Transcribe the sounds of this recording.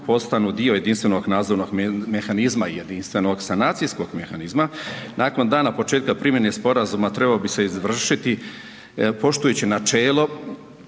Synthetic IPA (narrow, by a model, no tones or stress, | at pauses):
po̞st̪anud̪io̞je̞d̪inst̪ʋe̞noɡnaːd̪zoɾno̞ɡme̞xanizmaijed̪inst̪ʋeno̞ɡsanaːt̪sisko̞ɡmexanizmanʔaːko̞nd̪aːnapo̞t͡ʃeːt̪̚kapɾimjenespo̞ɾazumat̪ɾe̞balobise̞izʋr̩ʃit̪i | po̞ʃt̪ujut͡ɕinat͡ʃeːlo̞